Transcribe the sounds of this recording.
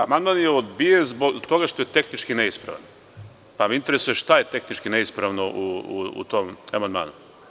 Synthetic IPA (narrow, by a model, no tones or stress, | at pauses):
amand̪manjeod̪bijenzboɡt̪o̞ɡaʃt̪ojet̪e̞xnit͡ʃkine̞ispɾa̰ʋan | pamiint̪e̞ɾesujeʃt̪aje̞t̪e̞xnit͡ʃkine̞ispɾaʋnoʔuṵṵt̪omamand̪ma̰ːnu